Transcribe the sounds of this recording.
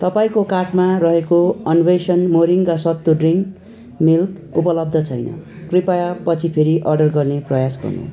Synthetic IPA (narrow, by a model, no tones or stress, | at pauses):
t̪ʌpaĩkokaʈmaɾʌɦekoʌnwesʌnmoɾiŋkasʌt̪ːoɖriŋk | milk | upʌlʌb̚d̪ʱʌt͡sʰʌjnʌ̰ | kripajapʌt͡sʰipʰeɾiʔʌrɖʌrɡʌrneprʌjasɡʌ̰rnṵs